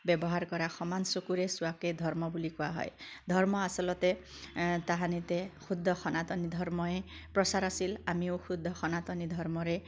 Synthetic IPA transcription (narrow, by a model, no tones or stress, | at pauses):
bjɔbɔɦaɾkɔɾaxɔmansokuɾesuwaked̪ʱɔɾmɔbulikuaɦɔ̰jd̪ʱɔɾmɔasɔlɔt̪e | t̪aɦanit̪ekʰud̪ʱːɔxʰɔnat̪ɔnid̪ʱɔɾmɔepɾɔsaɾasilamiõkʰud̪ʱːɔxʰɔnat̪ɔnid̪ʱɔɾmɔɾe